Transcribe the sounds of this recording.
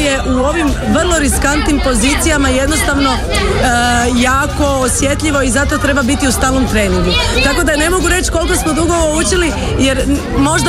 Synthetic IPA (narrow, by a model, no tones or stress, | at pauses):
je̞ʔuo̞ʋim | ʋr̩lˠo̞ɾiskant̪nimpo̞zit̪sijamaje̞d̪no̞st̪aʋno̞ | jaːko̞ːsje̞t̪ʎʲiʋo̞izat̪o̞t̪ɾe̞babit̪iust̪aːlno̞mt̪ɾe̞ːniŋɡut̪ako̞d̪ane̞mo̞ɡuɾe̞t͡ɕko̞lˠko̞smo̞d̪uɡoʋout͡ʃili | je̞ɾ | mo̞ʒd̪